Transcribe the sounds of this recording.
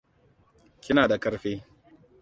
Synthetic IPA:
kʲɪ˦naː˨da˨kɐ˦ɾɸeː˦

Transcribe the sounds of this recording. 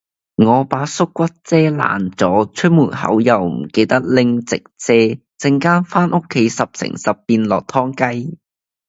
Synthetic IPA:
ŋɔː˨˧paː˨˥sʊ˥kːʷɐ˥t̚t͡sɛː˥la̰ː˨˩nt͡sɔː˨˥t͡ʃʰɵ˥t̚muː˨˩nhɐ̰˨˥wjɐ˨˩wm̩˨˩ke˧jt̪ɐ˥k̚lɪ˧ŋt͡sɪ˨k̚t͡sɛː˧˥ | t͡sɪ˧ŋkaː˥nfaː˥nʔʊ˥kʰːe˨˥jsɐ˨p̚sɪ̰˨˩ŋsɐ˨pːiː˧nlɔː˨˩k̚t̪ʰɔː˥ŋkɐ˥j

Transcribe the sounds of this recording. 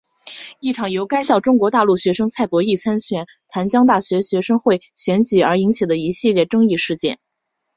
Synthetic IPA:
i˥˩ʈ͡ʂʰɑ˨˩ŋjo˧˥ʊka˥ɪɕjɑ˥˩ʊʈ͡ʂʊ˥ŋkwɔ˧˥t̪a˥˧lu˥˩ɕɥɛ˧˥ʂɤ˥ŋt͡sʰa˥˩ɪpwɔ˧˥i˥˩t͡sʰa˥nɕɥɛ˨˧˩nt̪ʰa˧˥nt͡ɕjɑ˥ŋt̪a˥˩ɕɥɛ˧˥ɕɥɛ˧˥ʂɤ˥ŋxwe˥˩ɪɕɥɛ˧˥nt͡ɕy˨˩ə˞˧˥i˧˥ŋt͡ɕʰi˨˩d̪ə˦i˧˥ɕi˥˧ljɛ˥˩ʈ͡ʂɤ˥ŋi˥˧ʂɻ̩˥˧t͡ɕjɛ̰˥˩n

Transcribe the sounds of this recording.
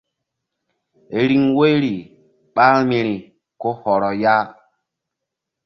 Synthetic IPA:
e˨ɾi˦ŋwe˦jɾi˨ | ɓa˦ɾmi˨ɾi˨ | ko˦hɔ˨ɾɔ˨ja˦

